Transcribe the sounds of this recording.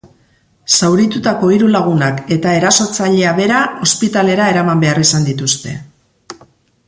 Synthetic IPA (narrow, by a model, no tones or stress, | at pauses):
sawɾit̪ut̪ako̞iɾulaɣ̞unake̞t̪ae̞ɾaso̞t͡saʎe̞aβe̞ɾao̞spit̪ale̞ɾae̞ɾamambe̞arisand̪it̪ust̪e̞̰